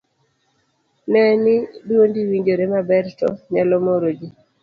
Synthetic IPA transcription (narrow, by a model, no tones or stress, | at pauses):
nɛniduondiwiɲd͡ʒoɾemabɛɾtɔ̰ɲalɔmoɾod͡ʒi